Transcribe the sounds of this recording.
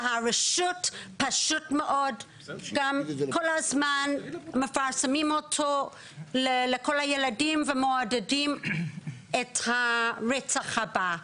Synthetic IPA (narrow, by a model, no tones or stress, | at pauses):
haɾeʃutpaʃutmeʔod | ɡamkolhazmanmefaɾsamimotʰo | lelekolajeladimvemoadedim | ethaʁet͡saχhaba